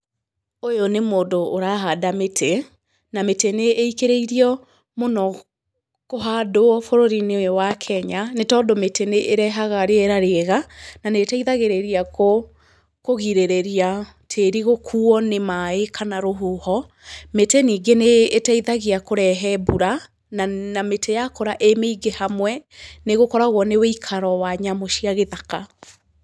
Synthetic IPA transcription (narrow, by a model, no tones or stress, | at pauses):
ojonemoːdoːɾaːɦaːdametʰe | nameteneʔːikeɾeiɾiɔ | monɔ | koɦaːdoɔfoɾoɾinewakʰɛɲanetɔːdometʰeneʔeɾɛɦaɣaɾeɛɾaɾeɛɣananetaiðaɣeɾeɾiako | koɣiɾeɾeɾia | tʰeːɾiɣokʰuɔnemaekʰanaɾoɦoːhɔ | meteniːɡeneːtaiðaɣiakoɾɛɦɛbuɾa | nanametʰejakoɾaʔemeiɡehamwɛneɣokɔɾaɣwɔneweikʰaɾɔwaɲamoʃiaɣeðaka